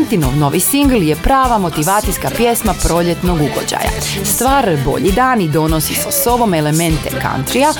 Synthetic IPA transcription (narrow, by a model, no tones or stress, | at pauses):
nt̪ino̰ʋno̞ʋisiŋɡlˠje̞pɾaːʋamo̞t̪iʋaːt̪ijskapje̞smapɾo̞ʎe̞t̪no̞ɡuɡo̰d͡ʑa̰ja̰st̪ʋaːɾbo̞̰ʎid̪aːnid̪o̞no̞sisaso̞ʋo̞me̞le̞me̞nt̪eka̰nt̪ɾia